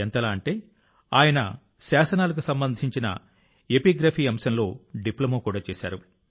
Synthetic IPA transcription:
ent̪ɐlaːɐɳʈe̞ː | a̰ːjɐnɐ̰ | saːsɐnaːlɐk̬usɐmbɐnd̪ʱiɲt͡ʃinɐ̰ | e̞piɡɾapʰiːɐmsɐnlo̞ːɖiplɐmoːkuːɽaːt͡ʃeːsa̰ːɾu

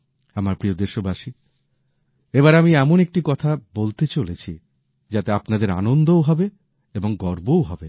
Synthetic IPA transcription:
amaɾpɾiod̪eɾʃobaʃi | eβaɾamiɛmonek̚ʈikɔt̪ʰabolt̪et͡ɕolet͡ɕʰi | d͡ʑat̪eapnad̪eɾa̰nond̪owɦɔbe | eboŋɡɔɾbowɦɔbe

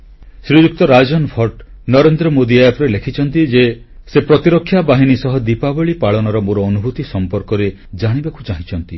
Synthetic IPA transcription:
sɾid͡ʒuk̚t̪ɔɾad͡ʒɔnɔpʰɔɾʈ | nɔɾend̪ɾɔmod̪iajapɾelekʰit͡ʃʰɔnt̪id͡ʒe | sepɾɔt̪iɾɔkʰːjabaɦinisɔɦɔd̪ipabɔɭipaɭɔnɔɾɔmoɾɔːnubʱut̪isɔmpɔɾkɔɾe | d͡ʒaɽ̃ibakʰu̥t͡ʃaɦit͡ʃʰɔnt̪i

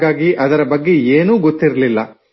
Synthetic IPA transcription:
ɡaːɡiʔɐd̪ɐɾɐbɐɡːe̞eːnuːɡot̪ːiɾɐlilːɐ̰

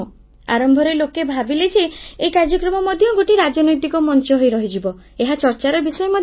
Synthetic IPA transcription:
a̰ɾɔmbʱɔɾelokebʱabiled͡ʒeːkaɾd͡ʒɔkɾɔmɔmɔd̪ʱjɔɡoʈiɾad͡ʒɔnɔjt̪ikɔmɔnt͡ʃɔɦojɾɔɦid͡ʒibɔ | eɦat͡ʃɔɾt͡ʃaɾɔbisɔjemɔd̪

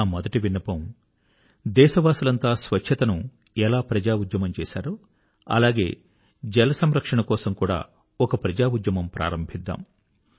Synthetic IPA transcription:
aːmɔd̪ɐʈiʋinːɐpɐm | d̪ɛːʃɐʋaːsulɐnt̪aːsʋɐt͡ʃʰːɐt̪ɐnu | ɛlaːpɾɐd͡ʒaːud̪jɐmɐmt͡ʃɛ̰ːsa̰ːɾu | ɐ̰laːɡe̞ː | d͡ʒɛlɐsɐmɾɐkʂɐɳɐkɔːsɐmkuːɽa̰ː | ɔkɐpɾɐd͡ʒaːud̪jɐmɐmpɾa̰ːɾɐmbʱid̪ːa̰ːm

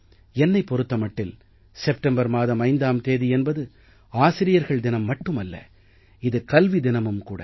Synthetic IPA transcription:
ɛnːɐɪpːɔɾɯt̪ːɐmɐʈːɪl | sɛp̚ʈɐmbɐɾmaːðɐmɐɪnd̪aːmt̪eːðiɛnbɐðɯ | aːsɪɾɪjɐɾɣɐɭd̪ɪnɐmːɐʈːɯmɐlːɐ̰ | ɪðɯkɐlʋid̪ɪnɐmɯmkṵːɽɐ̰

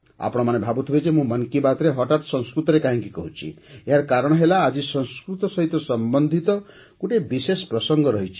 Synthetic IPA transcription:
a̰pɔɽ̃ɔmanebʱabut̪ʰibet͡ʃemũmʌnkibat̪ɾeɦɔʈat̪ɔ̥sɔ̃nskɾut̪ɔɾekaɦĩŋkikɔɦut͡ʃʰḭejaɾkaɾɔɽ̃ɔɦelaːd͡ʒisɔ̃nskɾut̪ɔsɔɦit̪ɔsɔmbɔnd̪ʱit̪ɔ | kuʈebisespɾɔsɔŋɡɔɾɔɦit͡ʃʰi̥

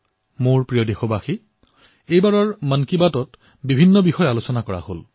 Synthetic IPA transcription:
moɹpɹijodexɔbaxi | ejbaɹɔɹmənkibatɔt | bibʱinːɔbixɔjalosɔnakɔɹa̰ho̰l

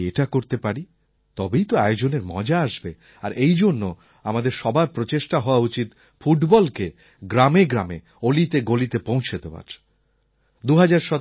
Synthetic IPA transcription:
eʈakoɾt̪epaɾi | t̪ɔbejt̪oajod͡ʑoneɾmɔ̰d͡ʑaaʃbe | a̰ɾʔejd͡ʑonːo | amad̪eɾʃɔbapɾot͡ɕeʃʈaɦɔoaut͡ɕit̪ | fuʈbɔlke | ɡɾameɡɾame | olit̪eɡolit̪epõw̃t͡ɕʰed̪eoa̰ | d̪uɦad͡ʑaɾʃɔ

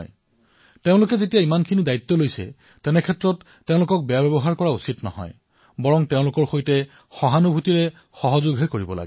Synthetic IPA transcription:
j | teʊ̃lʊkɛzetijaimankʰinidajit̪ːɔlojsɛ̰ | tɛnɛkʰɛtɹɔtːẽʊ̃lʊkɔk̚bɛjabɛbɔɦaɹkɔɹausitnɔ̰ɦɔ̰j | bɔɹɔŋteʊ̃lʊkɔɹxojtɛ | xɔɦanubʱutiɹɛ | xɔɦɔzʊɡɦɛkoɹibɔla̰ɡ

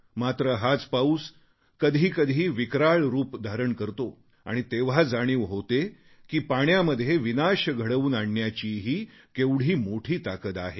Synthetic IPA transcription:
mat̪ɾəɦat͡spauːs | kəd̪ʱiːkəd̪ʱiːʋikɾaɭɾuːpd̪ʱaɾəɳkəɾt̪o | a̰ɽ̃it̪eʋ̤ad͡zaɽ̃iːʋɦot̪e | kiːpaɳjaməd̪ʱːjeʋinaɕəɡʱəɽəʋuːnaɳːjat͡ɕiːɦiː | keʋɽ̤iːmoʈʰiːt̪akət̪aɦe

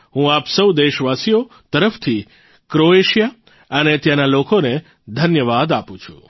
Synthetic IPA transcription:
ɦũapsəwd̪eʃʋasijo | t̪əɾəft̪ʰi | kɾoeʃija | ənet̪janalokone | d̪ʱənjəʋad̪apũt͡ʃʰũ̥̰

